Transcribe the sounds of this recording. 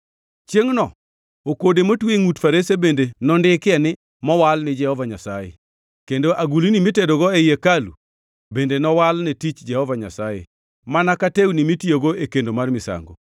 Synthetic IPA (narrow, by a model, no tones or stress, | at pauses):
t͡ʃjeŋnɔ | okodemotweŋutfaɾesebendenɔndɪkɪɛnɪ | mɔwalnɪd͡ʒɛhɔvaɲasajḛ | kendoʔaɡulinimitedoɡɔejekalṵ | bendenɔwalnetit͡ʃd͡ʒɛhɔvaɲa̰sajḛ | manakatewnimitjoɡoekendomarmɪsa̰ŋɡo̰